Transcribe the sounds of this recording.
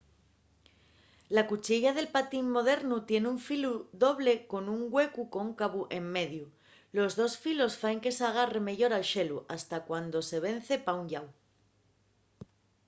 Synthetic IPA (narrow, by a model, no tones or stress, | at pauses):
lakut͡ʃiʎaðe̞lpat̪imːo̞ð̞e̞ɾnut̪je̞neuɱfiluðo̞βle̞ko̞nuŋɡwe̞kuko̞ŋkaβuʔe̞mːe̞ðju | lo̞zðo̞sfilo̞sfaeŋke̞saɣ̞are̞me̞ʝo̞ɾalʃe̞luʔast̪akwand̪o̞se̞β̞e̞n̟θe̞pauɲʎaw